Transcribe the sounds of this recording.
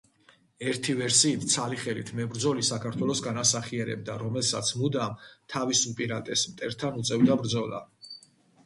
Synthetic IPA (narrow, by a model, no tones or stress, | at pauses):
ɛɾt̪ʰivɛɾsiːt̪ʰt̪sʰaliχɛlḭt̪ʰmɛbɾd̪zɔlisakʰaɾt̪ʰwɛlˠɔsɡanasaχiɛɾɛ̰b̚d̪aɾɔmɛlˠsa̰t̪sʰmud̪amt̪ʰavisupʼiɾat̪ʼɛsmt̪ʼɛɾt̪ʰanut̪sʼɛvd̪abɾd̪zɔlˠa̰